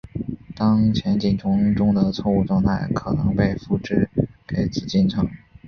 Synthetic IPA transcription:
t̪ɑ˥ŋt͡ɕʰjɛ˧˥nt͡ɕi˥˩nʈ͡ʂʰʊ˧˥ŋʈ͡ʂʊ˥ŋd̪ə˨t͡sʰwɔ˥˧u˥˧ʈ͡ʂwɑ˥˧ŋt̪ʰa˥˩ɪkʰɤ˨˩nɤ˧˥ŋpe˥˧ɪfu˥˩ʈ͡ʂɻ̩˥ke˧˥ɪt͡sɹ̩˨˩t͡ɕi˥˩nʈ͡ʂʰɤ˧˥ŋ

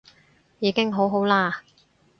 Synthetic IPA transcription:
jiː˨˧kɪ˥ŋɦo˨˥wɦo˨˥wlaː˥

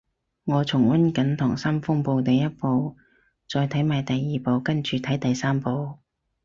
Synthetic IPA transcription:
ŋɔː˨˧t͡sʰʊ˨˩ŋwɐ˥nkɐ˨˥nt̪ʰʊː˨˩ŋsɐ˥mfʊ˥ŋpo˨˧wt̪e˨˧jɐ˥t̚po˨˧w | t͡ʃɔː˧jt̪ʰɐ˨˥jmaː˨˧jt̪ɐ˨jːiː˨po˨˧wkɐ˥nt͡ʃyː˨˧t̪ʰɐ˨˥jt̪ɐ˨jsaː˥mpo˨˧w

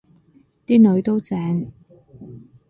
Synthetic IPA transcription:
t̪iː˥nɵ˨˧˥ɥt̪o˥wt͡sɛː˨˥ŋ

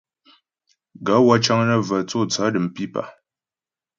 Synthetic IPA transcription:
ɡa˨˦wa˦t͡ʃa˦ŋnə˦və˨t͡so˦˨t͡sa˨˦dɨ˨m˨pi˦pa̰˨

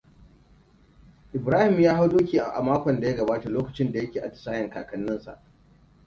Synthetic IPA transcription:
ʔɪ˨bɾaː˦hɪ˨mjaː˦ɦa˦wdoː˦kʲiː˨ʔʔa̰˨maː˦kʷɔ˨nda˨ja˦ɡɐ˨baː˦ta˨loː˦kɐ˨t͡ʃɪ˦nda˨jɐ˦kʲeː˨ʔa˨tɐ̥˦saː˦jɐ˨ŋkaː˨kɐ˦nːɪ˦nsa̰˨ʔ

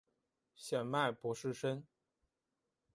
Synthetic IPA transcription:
ɕjɛ˨˩nma˥˩ɪpwɔ˧˥ʂɻ̩˥˩ʂə˥n

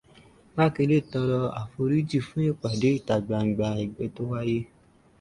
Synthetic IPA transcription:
ma˦˨ke˧˦le˦˨tɔ˧ɾɔ˧a̰˨fo˧ɾi˦d͡ʒi˦˨fu˦e˦˨k͡pa˨de˨˦i˦˨ta˨ɡ͡ba˧˨ŋ͡m̩˨˦ɡ͡ba˧e˨ɡ͡bɛ˧to˦wa˦je˦

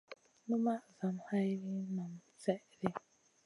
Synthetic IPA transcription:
nũ˦ma˦za˨m˨ha˦jɾi˦nã˨m˨sɛ˦ | ɾe˦

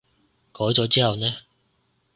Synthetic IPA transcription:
kɔː˨˥jt͡sɔː˨˥t͡siː˥hɐ˨wnɛː˥

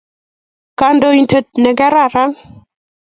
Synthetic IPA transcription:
ka˨ndo˨i˨ntʰə˨t̚nɛ˨ɡɛ˦ɾa˦˨ɾa˦ŋ

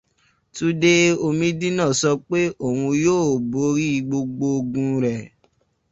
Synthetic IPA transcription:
tu˦de˦o˧mĩ˧dĩ˦nã˦˨sɔ˧k͡pe˦ʔo˦˨wũ˧joː˦˨bo˧˦ɾi˦˧ɡ͡bo˧ɡ͡bo˧o˧ɡũ˧ɾɛ˨

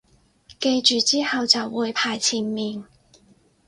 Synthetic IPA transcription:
ke˧jt͡ʃyː˨˧t͡siː˥hɐ˨˧wt͡sɐ˨wːuː˨˧jpʰaː˨jt͡sʰiː˨˩nmiː˨n

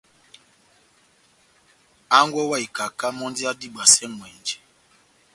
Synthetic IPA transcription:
a˦ŋɡwɔ˦wa˦˨i˨ka˨ka˦mɔ̃˦ndi˦a˦di˦˨ɓa˨sɛ˦mwɛ˨nd͡ʒɛ˨

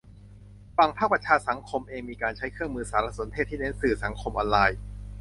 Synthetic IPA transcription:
fa˨˩ŋpʰaː˥˩kpɾa˧t͡ɕʰaː˧sa˩˦ŋkʰo˧mʔeː˧ŋmiː˧kaː˧nt͡ɕʰa˦˥jkʰɯ˥˩əŋmɯː˧saː˩˦˥ɾa˧˩so˩˦nt̪ʰeː˥˩t̪ʰːiː˥˩ne˦˥nsɯː˨˩sa˩˦ŋkʰo˧mʔɔ̰ː˧nlaː˧j

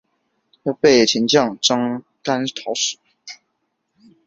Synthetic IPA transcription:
ta˥pe˥˩ɪt͡ɕʰi˧˥nt͡ɕjɑ˥˩ŋʈ͡ʂɑ˥ŋ | ka˥nt̪ʰɑ˧˥ʊʂ̩˨˩˦

